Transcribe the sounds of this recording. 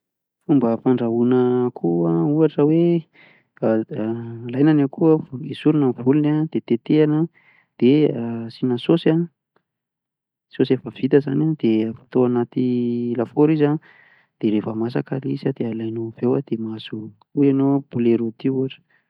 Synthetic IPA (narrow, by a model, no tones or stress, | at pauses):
fumbəfaɳɖ͡ʐaunəkʰuauaʈ͡ʂəwe | lajnanakʰuəisuɾunəvulunad̪̥et̪et̪eanə | d̪̥easinəsosa | sosefəv̥it̪əzanad̪̥efi̥t̪oanat̪ilafoɾiza | d̪̥eɾefəmasakalisad̪ealajnov̥ewad̪̥emazu | uenob̥uleɾot̪iuaʈ͡ʂə̥